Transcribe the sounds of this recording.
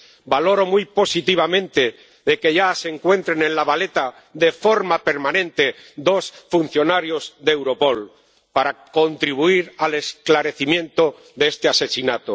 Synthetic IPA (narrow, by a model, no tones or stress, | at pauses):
balo̞ɾo̞mujpo̞sit̪iβ̞amẽnt̪e̞ | ðe̞ke̞ʝaseŋkwe̞nt̪ɾenẽ̞nlaβale̞t̪a | ðe̞fo̞ɾmape̞ɾmãnẽ̞nt̪e̞ | d̪o̞sfun̟θjo̞naɾjo̞zðeewɾo̞po̞l | paɾako̞nt̪ɾiβuiɾale̞sklaɾe̞θimjẽ̞nt̪o̞ | ðeest̪e̞ase̞sinat̪o